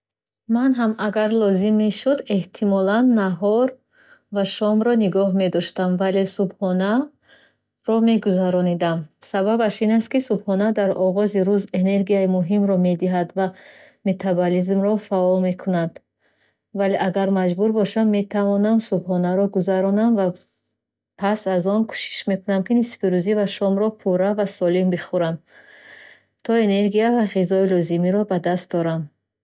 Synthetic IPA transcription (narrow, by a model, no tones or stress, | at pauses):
manɦamaɡaɾlɔzimːe̞ʃud̪e̞ht̪ʰimɔlanːaɦɔɾ | vaʃɔmɾɔniɡɔhme̞d̪ɔʃt̪amvale̞subχɔna | ɾɔme̞ɡuzaɾɔnid̪amsababaʃinast̪̚kisubχɔnad̪aɾɔʁɔziɾuze̞ne̞ɾɡijaimuɦimɾɔme̞d̪iɦad̪vame̞t̪ʰabɔlizmɾɔfaɔlme̞kʰunad̪ | valeʔaɡaɾmad͡ʒbuɾbɔʃammːe̞t̪ʰavɔnamsubhɔnaɾɔɡuzaɾɔnamva | pʰasazɔnkʰu̥ʃi̥ʃme̞kunamkinisfiɾuzivaʃɔmɾɔpʰuɾavasɔlimbiχuɾam | t̪ʰɔene̞ɾɡiavaʁizɔilɔzimiɾɔbad̪ast̪̚d̪ɔɾam